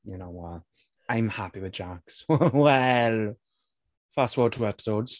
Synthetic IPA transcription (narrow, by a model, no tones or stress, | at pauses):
jənoʊwɔt | ãɪ̃mhapiwɪðd͡ʒakswɛl | fastwɔːtʰuːɛpɪ̥soʊdz̥